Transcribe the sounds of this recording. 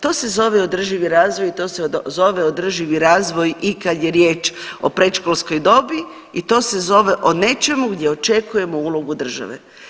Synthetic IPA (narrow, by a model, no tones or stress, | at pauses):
t̪o̞ːse̞zo̞ʋeod̪r̩ʒiʋiɾaːzʋojit̪o̞ːsezo̞ʋeod̪r̩ʒiʋiɾaːzʋo̞jikad̪jeɾjeːt͡ʃo̞̰pɾet͡ʃkolsko̞jd̪o̞bi | it̪o̞ːse̞zo̞ʋe̞ʔo̞ne̞t͡ʃe̞muɡd̪ʲje̞o̞t͡ʃe̞kuje̞mouːlˠo̞ɡud̪r̩ʒa̰ʋḛ